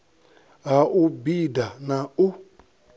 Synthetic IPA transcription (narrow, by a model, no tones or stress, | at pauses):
aʔubidanau